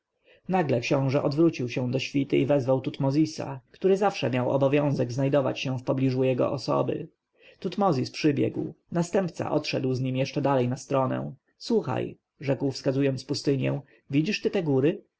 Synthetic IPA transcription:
naɡlɛkɕɔ̃w̃ʐɛʔɔd̪vɾut͡ɕiwɕɛ̃d̪ɔɕfʲit̪ɘivɛzvawt̪ut̪mɔzʲisa̰kt̪uɾɘzafʂɛ̰mʲjawɔ̰bɔvʲjɔ̃w̃zɛɡznajd̪ɔva̰t͡ɕɕɛ̃fpɔblʲiʐujɛɡɔ̰ʔɔsɔ̰bɘ̰ | t̪ut̪mɔzʲispʂɘbʲjɛ̰ɡw | nast̪ɛmpt̪sa̰ʔɔt̪ʂɛd̪wzɲimjɛʂt͡ʂɛd̪alɛjnast̪ɾɔnɛ̰w̃ | swuxa̰j | ʐɛkwfskazujɔnpust̪ɘɲjɛ̰w̃ | vʲid͡ʑiʂt̪ɘt̪ɛɡuɾɘ

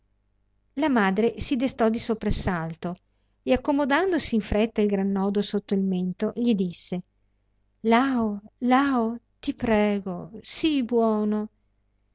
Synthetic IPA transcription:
lamaːd̪ɾesid̪est̪ɔd̪isopɾasalt̪o | eakːomod̪and̪osiːɱfɾɛt̪ːailɡɾanːɔːd̪osot̪ːoilment̪oʎid̪isːe | laolao | t̪ipɾɛːɡosibwɔːno

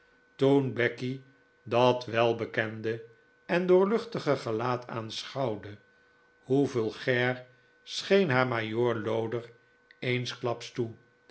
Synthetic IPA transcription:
tunbɛki | dɑtʋɛlˠbəkɛndə | ɛndʊːɹlɵχtəχəχəlaːtʰa̰ːnsχɑwdə | huvɪːlˠχɛɹ | sχejnɦaːɹmajoːɹlowdər | ejnsklɑpstu

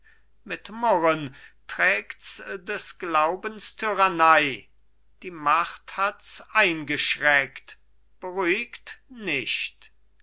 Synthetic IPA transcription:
mɪtmɔʁəntʁ̥ɛːktsdɛsɡ̥laʊbənstʰyʁanaɪ | d̥iːmaχthatsʔaɪnɡəʃʁɛkt | b̥əʁyːɪktnɪʃt

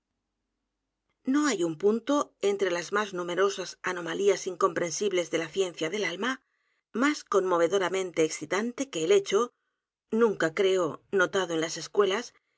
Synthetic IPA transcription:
no̞ajumpunt̪oent̪ɾe̞lazmaznume̞ɾo̞sasano̞maliasiŋko̞mpɾe̞nsiβle̞zðe̞laθje̞n̟θjaðe̞lalma | masko̞nmo̞β̞e̞ðo̞ɾamẽ̞nt̪eːksit̪ant̪e̞ke̞ːle̞t͡ʃo̞ | nũŋkakɾe̞ono̞t̪aðo̞e̞nlase̞skwe̞las

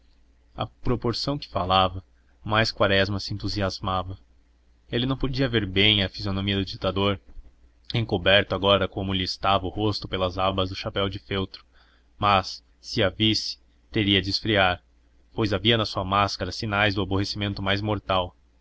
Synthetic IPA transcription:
ɐ̰pɾopoɾsɐ̃w̃kɪ̥falavɐ | majskwaɾɛzmɐsɪẽnt̪uziazmavɐ | elɪnɐ̃w̃pod͡ʒiɐveɾbẽj̃ɐfizionomiɐd̪ʊd͡ʒit̪ad̪oɾ | ẽkobɛɾt̪ʊaɡɔɾɐkõmʊlɪːst̪avɐʊhost̪ʊpelɐzabɐzd̪ʊʃapɛwd͡ʒɪfewt̪ɾʊ̥ | mɐsː | ɪavisɪ̥ | t̪eɾiɐd͡ʒɪsfɾiaɾ | pojzaviɐnɐsuɐmaskɐɾɐsinajzd̪ʊabohesimẽnt̪ʊmajzmoɾt̪aw

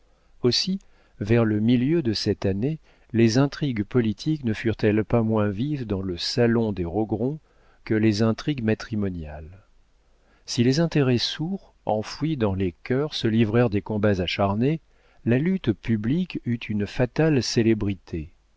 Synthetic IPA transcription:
osi | vɛʁləmiljød̪əsɛt̪ane | lezɛ̃t̪χiɡpɔlit̪ʰiknəfyʁt̪ɛlpamwɛ̃vivd̪ɑ̃ləsalɔ̃d̪eʁɔɡʁɔ̃ | kəlezɛ̃t̪χiɡmat̪χimɔnjal | silezɛ̃t̪eʁɛsuʁ | ɑ̃fɥid̪ɑ̃lekʲœʁsəlivʁɛʁd̪ekɔ̃bazaʃaʁne | lalyt̪pyblikyt̪ʰynfat̪alselebʁit̪ʰe

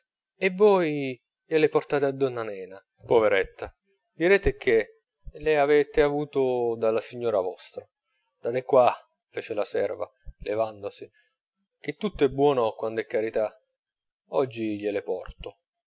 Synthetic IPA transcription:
ɛvːɔj | ʎelɪport̪aːt̪ad̪ːɔnːanɛːna | poveɾɛt̪ːa | d̪iɾɛːt̪ɪk̟e | leavɛːt̪ɪavuːt̪ʊd̪alːasiɲːɔːɾavɔst̪ɾa | d̪̥ad̪ɛkːwa | fɛːt͡ʃelasɛ̰rva̰levand̪osi | k̟et̪ːut̪ːoɛbːwɔːnokwand̪ɛkːaɾit̪a | ɔd͡ʒːiʎelɪpɔ̰rt̪o

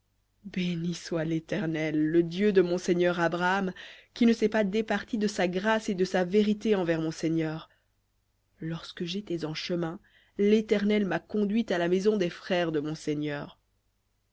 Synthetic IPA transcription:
beniswalet̪ɛʁnɛlːəd̪jød̪əmɔ̃seɲœʁabʁaamkʲinəsɛpad̪epaʁt̪id̪əsaɡʁased̪əsaveʁit̪eɑ̃vɛʁmɔ̃seɲœːʁ | lɔʁskəʒet̪ɛzɑ̃ʃəmɛ̃ | let̪ɛʁnɛlmakɔ̃d̪ɥit̪alamɛzɔ̃d̪ɛfχɛʁd̪əmɔ̃seɲœːʁ

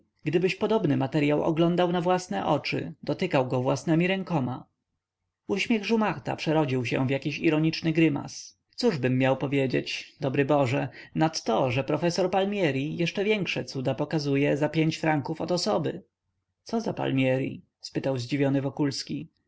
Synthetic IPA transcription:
ɡd̪ɘbɘɕpɔd̪ɔbnɘmat̪ɛɾjawʔɔ̰ɡlɔnd̪awnavwasnɛʔɔt͡ʂɘ̰d̪ɔt̪ɘkawɡɔvwasnɛmʲiɾɛŋkɔma | uɕmʲjɛɣʐumaxt̪a̰pʂɛɾɔd͡ʑiwɕɛ̰̃vjakʲiɕiɾɔɲit͡ʂnɘɡɾɘma̰s | t̪suʐbɘmːjawpɔvʲjed͡ʑet͡ɕd̪ɔbɾɘbɔʐɛnat̪ːɔʐɛpɾɔfɛsɔɾpalmʲjɛɾijɛʂt͡ʂɛvʲjɛŋkʂɛt̪sud̪apɔkazujɛzapʲjeɲt͡ɕfɾaŋkufɔt̪ɔsɔbɘ | t̪sɔzapa̰lmʲjɛɾḭ | spɘt̪awzd͡ʑivʲjɔnɘvɔkulskʲi

